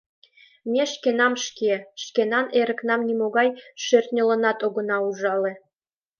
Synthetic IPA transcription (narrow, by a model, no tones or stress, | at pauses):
mʲeʃkenɑmʃkeʃkenɑneɾə̆knɑmnʲimoɣɑjʃørt̪nʲə̆lə̆nɑt̪oɣɤ̆nɑuʒɑlĕ